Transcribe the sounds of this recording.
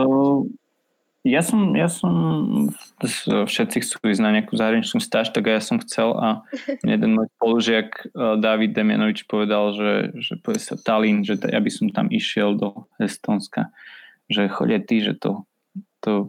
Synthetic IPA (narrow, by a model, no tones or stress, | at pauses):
jasɔmjasɔm | fʃɛt̪t͡sixt͡suʋiznaɲɪakuzaɦɾaɲit͡ʃnust̪aːʃt̪aɡajasɔmxt͡sɛlajɛd̪ɛnmɔjspɔluʒɪakd̪aʋid̪̚ːɛmɪa̰nɔʋit͡ʃpɔʋɛd̪alʒɛ̰ʒɛ̰pɔʋɛsat̪alinʒɛt̪ja̰bisɔmt̪a̰miʃɪɛld̪ɔhɛst̪ɔnska | ʒɛxɔ̰ɟat̪iʒɛ̰t̪ɔ̰ | t̪ɔ